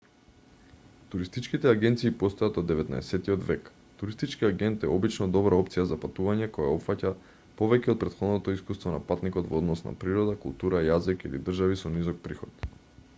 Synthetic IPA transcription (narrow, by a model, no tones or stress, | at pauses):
t̪uɾist̪it͡ʃkit̪ɛaɡɛnt̪siːpɔst̪ojat̪od̪ːɛvɛt̪na̰ɛsɛt̪iod̪vɛk | t̪uɾist̪it͡ʃkiaɡɛnt̪ɛɔbit͡ʃnɔd̪ɔbɾaɔpt̪sijazapat̪uvaɲɛkɔja̰ɔpfaca | pɔvɛcɛot̪̚pɾɛt̪xɔd̪nɔt̪ɔiskust̪vɔna̰pat̪nikɔd̪vd̪nɔsna̰pɾiɾɔd̪akṵlˠt̪uɾajazikḭlḭd̪r̩ʒavisɔnizɔk̚pɾixɔt̪